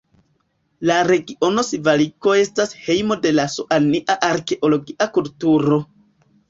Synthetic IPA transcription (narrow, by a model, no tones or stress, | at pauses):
laɾe̞ɡiʔo̞no̞sivaliko̞e̞stashe̞jmo̞de̞lasoʔaniʔaʔaɾke̞ʔo̞lo̞ɡiʔakultuɾo̞